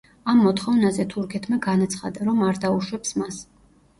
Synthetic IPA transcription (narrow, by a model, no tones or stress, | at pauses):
amːɔt̪χɔvnazɛt̪ʰuɾkʰɛt̪ʰmaɡanat̪sʰχa̰d̪aɾɔmaɾd̪auʃwɛpsmas